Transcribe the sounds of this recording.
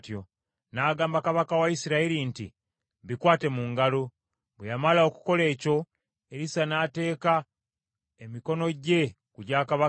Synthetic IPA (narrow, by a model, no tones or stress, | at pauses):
tjo̞ | naːɡaːmbakaβakawaisiɾaiɾintḭ | βikwaːte̞muŋɡalo | βwejamalao̞ku̥ko̞le̞ːco̞ | e̞ɾisanaːte̞ːka | emiko̞no̞ɟe̞ | kuɟaːkaβa